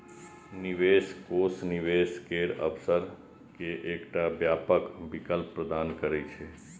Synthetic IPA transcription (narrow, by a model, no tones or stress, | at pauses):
nɪʋeːskoːsnɪʋeːskeːɾə̰psəɾ | keʔːkʈabjaːpəkbɪkəlpːɾəd̪aːnkəɾet͡ʃʰeː